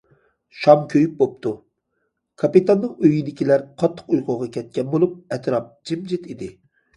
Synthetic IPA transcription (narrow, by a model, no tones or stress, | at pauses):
ʃɑmkʲʰøjyp̚bop̚t̪ʰu | kʰɑpit̪ɑnːɨŋøjid̪ɪkʲilæɾqʰɑt̪ʰːə̥qujqʰoʁɑkʲɛt̪̚kʲɛnbolˠup̚ɛt̪ɾɑp̚d͡ʒimd͡ʒit̪id̪ɪ